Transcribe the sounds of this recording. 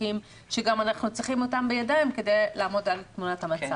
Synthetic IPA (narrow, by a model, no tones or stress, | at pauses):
im | ʃeɡamanaχnut͡sʁiχimo̞tambejadaimke̞de̞jlaːmo̞dalt̪munathamat͡sa